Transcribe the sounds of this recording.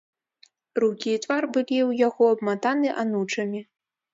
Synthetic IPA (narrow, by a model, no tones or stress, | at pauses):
rukʲiːt̪varbɨlʲiwjaɣɔɐbmat̪anɨʔanut͡ʂɐmʲi